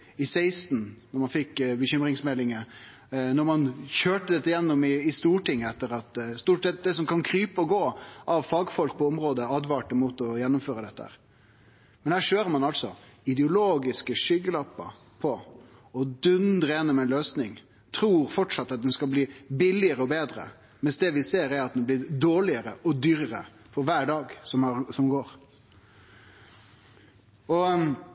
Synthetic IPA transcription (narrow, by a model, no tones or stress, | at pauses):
ɪseɪst̪nnɔɾmɑnfɪkːbəçʏmɾɪŋsmɛlːɪŋə | nɔɾmɑnçøːʈəd̪ɛt̪ːəjɛnːɔmɪɪst̪uːʈɪŋːəɛt̪ːəɾɑt̪st̪uːʈsɛt̪̚d̪ɛsɔmkʰɑnkʰɾyːpəɔɡoːʔɑʋfɑːɡfɔlk̚pʰɔɔmɾoːd̪əɑd̪ʋɑʈəmuːt̪ɔjɛnːʊmføːɾəd̪ɛt̪ːəhæ̰ːɾ | mɛnhæːʂøːɾəmɑnɑlt̪sɔɪd̪ɛʊloːɡɪskəʂʏɡəlɑpːə̰ | pʰɔ | ɔd̪ʉnd̪ɾəjɛnːɔmɛɪnløːsnɪŋ | t̪ʰɾuːɾfɔʈʂɑt̪ːɑt̪̚d̪ɛnskɑlbliːbɪlːɪəɾəɔbeːd̪ɾə̰ | mɛnsd̪ɛːʋɪseːɾæɾɑt̪̚d̪ɛnblɪɾd̪oːɭɪəɾəɔd̪yːɾəɾə | fɔɾʋæːɖɑːɡsɔmɑsɔmɡoːɾ | ɔ